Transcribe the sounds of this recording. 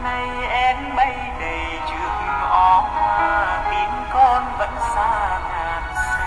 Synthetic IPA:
na˧j | ʔɛ˧mɓə˧j | ɗə˨˩jt͡ɕɨ̰˧˨˦ək̚ʔɔ˧˨˦nmaː˨˩mi˨˧˦əŋkɔ˧nvə̰˧˥nsaː˧˩ŋaː˨˩n

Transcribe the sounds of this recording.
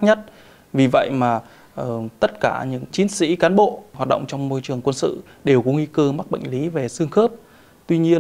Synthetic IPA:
ɲə˦˥t̚ | vi˨˩və̰˧˨jmaː˨˩ | ʔt̪ə˦˥t̚kaː˧˩ɲɨ̰˧˥ŋt͡ɕi˨˦nsḭ˧˥kaː˨˦nɓo̰˧˨ɦwaː˨˩t̚ɗə̰˧˨ŋ͡mt͡ɕɔ˧wŋ͡mmo˧jt͡ɕɨ˨˩əŋkwə˧nsɨ̰˧˨ | ɗe˨˩wkɔ˨˦ŋi˧kəː˧ma˦˥k̚ɓə̰˧˨ŋ̟li˨˦ve˨˩sɨ˧əŋxəː˦˥p̚ | t̪wi˧ɲi˧ən

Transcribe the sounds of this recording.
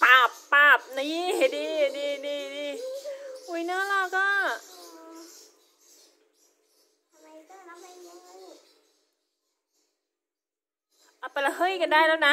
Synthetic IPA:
paː˨˧˩pːaː˧˩p̚na˧˦i˧˥˩diː˧˩niː˧˩niː˧˩diː˧˩ | hu˧˩˦jnɔ˦˥la˧˩kɔː˥˩ɯʔɯː˧ | t̪ʰma˧kːa˧˦˥ | ʔa˧˩pa˧˩la˧˩hɤ˧˥˨jka˧ndaː˧˩jlaː˦˥˩na˦˥

